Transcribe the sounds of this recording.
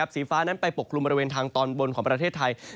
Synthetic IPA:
p̚siː˩˦faː˦˥na˦˥npa˧jpo˨˩kʰːlu˧mbɔ˧ɾiweː˧nt̪ʰaː˧ŋt̪ɔː˧nwo˧nkʰɔː˩˦ŋpɾa˧t̪ʰeː˥˩t̪ʰːa˧j

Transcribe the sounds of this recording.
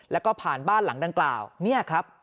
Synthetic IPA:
lɛ˦˥wkɔː˥˩pʰaː˨˩nbaː˥˩nla˩˦ŋda˧ŋkla̰ː˨˩wni˥˩ɐkʰɾa˦˥p̚

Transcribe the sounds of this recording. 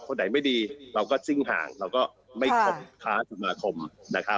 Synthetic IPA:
kʰo˧nːa˨˩˦jma˥˩jdiː˧ɾa˧wkɔː˥˩t͡ɕi˥˩ŋɦa̰ː˩˦ŋɾa˧wkɔː˥˩ | ma˥˩jkʰo˧pkʰaː˦˥sa˨˧˩maː˧kʰo˧mna˦˥kʰa˦˥

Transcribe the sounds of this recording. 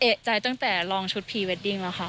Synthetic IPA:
ʔe˨˩t͡ɕa˧jt̪a˥˩ŋt̪ɛː˨˩lɔː˧ŋt͡ɕʰu˦t̪̚pʰiː˧˩we˦˥t̪̚di˧ŋlɛ˦˥xʰa˦˥ʔ

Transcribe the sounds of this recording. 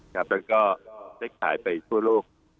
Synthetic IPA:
kʰa˦˥p̚lɛ˦˥wkɔː˥˩daː˥˩jkʰa̰ː˩˦jpa˧jt̪ʰu˥˩ɐloː˥˩k̚

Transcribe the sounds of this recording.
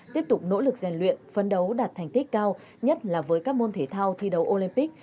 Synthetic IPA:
t̪i˦˥əp̚t̪ʊ˨˩k͡p̚no̰˧˥lɨ˨˩k̚zɛ˨˩ŋlwḭ˧˨ənfə˨˦nɗə˨˦wɗaː˨˩t̚t̪ʰa˨˩jŋ̟t̪i˦˥k̟̚kaː˧w | ɲə˦˥t̚laː˨˩vəː˨˦jkaː˦˥k̚mo˧nt̪ʰe˧˩t̪ʰaː˧wt̪ʰi˧ɗə˨˦wʔo˧li˧mpi˦˥k̟̚

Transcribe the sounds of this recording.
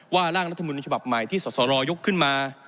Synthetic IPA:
waː˥˩ɾaː˥˩ŋɾa˦˥t̪ʰːa˧muː˧n˧˩t͡ɕʰa˧ba˨˩p̚ma˨˩jt̪ʰiː˥˩sɔː˩˦˥sɔː˩˦ɾɔː˧jo˦˥kʰːɯ˥˩nmaː˧

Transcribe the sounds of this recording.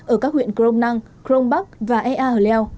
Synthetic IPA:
ʔəː˧˩kaː˦˥k̚hwḭ˧˨ənkɾo˧wŋ͡mna˧ŋ | kɾo˧ŋ͡mɓa˦˥k̚vaː˨˩ʔɛ˧ʔaː˧ʔəː˨˩lɛ˧w

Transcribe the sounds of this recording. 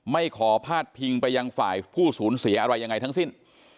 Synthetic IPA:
ma˥˩jkʰɔː˩˦pʰaː˥˩t̪̚pʰi˧ŋpa˧jːa˧ŋfa̰ː˨˩jpʰuː˥˩suː˩˦nsi˨˩˦ɐʔa˧ɾa˧jːa˧ŋːa˧jt̪a˦˥ŋsi˥˩n

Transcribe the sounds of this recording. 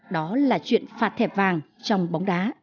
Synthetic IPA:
ɗɔ˨˦laː˨˩t͡ɕwḭ˧˨ənfaː˨˩t̚t̪ʰɛ˧˩p̚vaː˨˩ŋt͡ɕɔ˧wŋ͡mɓa˨˦wŋ͡mɗaː˨˦

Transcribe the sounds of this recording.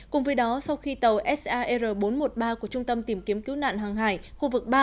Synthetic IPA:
kʊ̰˨˩ŋ͡mvəː˨˦jɗɔ˨˦sa˧wxi˧t̪ə˨˩wʔɛ˦˥sʔaː˧ʔə˧zəː˨˩ɓo˨˦nmo˨˩t̚ɓaː˧ku˧˩ət͡ɕʊ˧ŋ͡mt̪ə˧mt̪i˧˩mki˨˦əmki˨˦wna̰ː˧˨nɦaː˨˩ŋɦaː˧˩jxu˧vɨ˨˩k̚ɓaː˧

